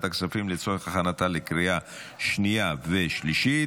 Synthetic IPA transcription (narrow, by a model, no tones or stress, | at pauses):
t̪aksafimlet͡so̞ʁeχaχanat̪alekʁija | ʃnijave̞ʃliʃi